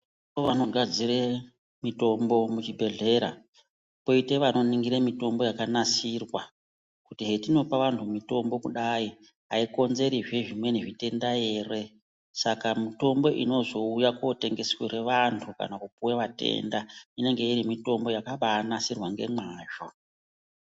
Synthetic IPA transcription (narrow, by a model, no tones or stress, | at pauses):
oʋano̞ɡʱad͡zire | mito̞mbo̞mut͡ʃibʱe̞ɮe̞ɾa̰ | po̞ite̞ʋano̞niŋɡiɾemito̞mbo̞jakanasirwa | kutiɦe̞tino̞paʋantʰumito̞mbo̞kuɗai | a̰iko̞nze̞ɾiʐeʐimwe̞niʐite̞ndaje̞ːre̞ | sakamito̞mbo̞ʔḭno̞zo̞ujakwote̞ŋɡe̞sweɾe̞ʋantʰuka̰nakupuweʋate̞̰ndaine̞ŋɡe̞iɾimito̞mbo̞jakaʋanasirwaŋɡe̞̰maːʒo̞